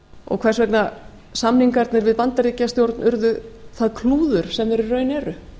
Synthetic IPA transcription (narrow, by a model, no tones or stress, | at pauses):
ɔ̰ɣkʰv̥ɛr̥svɛk̪na | samniŋkaɾt̪nɛɾvɪðpant̪aɾiːcast̪jowɾt̪nʔʏɾðʏθaðkʰluːðʏɾ̥sɛmvɛɾʏrœːɥnɛːɾʏ